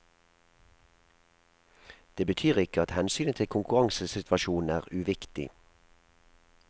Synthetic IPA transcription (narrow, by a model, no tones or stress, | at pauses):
d̪̥eːbət̪ʰyːʁɪkəɑt̪hɛnsyːnət̪ʰɪlkʰʊŋkʉʁɑŋsəsɪt̪ʰʋɑʃuːn̩æːʁʉʋɪkt̪ɪ̰